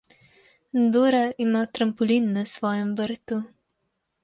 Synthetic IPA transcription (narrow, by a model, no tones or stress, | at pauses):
nd̪oːɾaʔimat̪ɾɐmpɔlinːɐsʋɔːjɛmʋəɾt̪u